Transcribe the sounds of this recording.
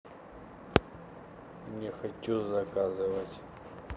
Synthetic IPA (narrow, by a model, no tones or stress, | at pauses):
nʲɪxɐt͡ɕuzɐkazɨvətʲ